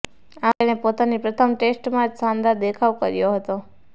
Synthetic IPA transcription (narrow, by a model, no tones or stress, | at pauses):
ãenepot̪anipɾət̪ʰəmʈesʈmãd͡ʒsãnd̪ad̪ekʰaʋkə̰ɾjoɦət̪o